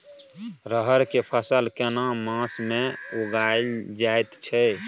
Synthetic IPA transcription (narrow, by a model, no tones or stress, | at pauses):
ɾəɦəɾkepʰəsəlkenamãsmeuɡaeld͡ʒajt̪t͡ʃʰɛ